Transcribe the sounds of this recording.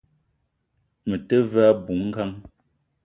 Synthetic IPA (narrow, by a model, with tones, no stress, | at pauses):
mə˨tə˦va˦bu˨˦ŋ̩˦ɡa˦ŋ